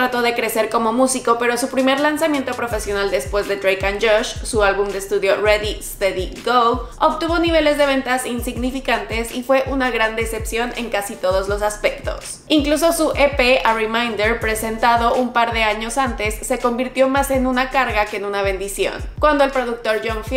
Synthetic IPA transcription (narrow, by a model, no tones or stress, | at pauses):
ɾat̪o̞ðe̞kɾe̞se̞ɾko̞mo̞musiko̞pe̞ɾo̞supɾime̞ɾlansamje̞nt̪opɾo̞fe̞sjo̞nald̪e̞spwe̞zðe̞t̪ɾejkand͡ʒoʃsualβumd̪eːst̪uðjo̞reðist̪eðiɡolo̞βt̪uβ̞o̞niβ̞e̞le̞zðe̞β̞e̞nt̪asinsiɣnifikant̪e̞sifwe̞ʔunaɣɾand̪ese̞psjo̞ne̞̰ŋkasit̪o̞ðo̞zlo̞saspe̞k̚t̪o̞̰s | iŋklus̬o̞suʔepearimãjnd̪eɾpɾe̞se̞nt̪aðo̞ʔumpaɾðe̞aɲo̞sant̪e̞sːe̞ko̞mbiɾt̪jo̞mase̞nunakaɾɣake̞ːnunaβe̞nd̪isjo̞̰nkwand̪oelpɾo̞ðuk̚t̪o̞ɾʝoɱf